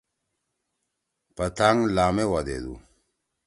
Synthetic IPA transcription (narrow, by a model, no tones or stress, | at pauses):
pɐt̪aŋlaːmewad̪ḛd̪ṵ